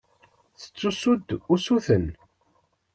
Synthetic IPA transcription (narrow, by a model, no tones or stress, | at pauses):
θə̥t͡sːusud̪usuθən